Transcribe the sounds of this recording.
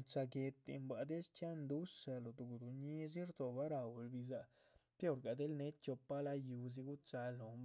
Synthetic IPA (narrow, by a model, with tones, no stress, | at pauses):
t͡ʃa˧ɡe˧t̪ːḭ˧mba˨d̪e˦st͡ʃja˦nd̪u˦ʂa˧lo˨d̪u˨ɡu˨d̪u˨ɲi˦zi˦ɾd̪o˨ba˦ɾa˨wlbi˧za˧ | pjo˦˨ɾɡa˨d̪e˦lne˦t͡ʃo˧pa˦la˦ju˧z̬i˧ɡu˦t͡ʃa˧lo˨mb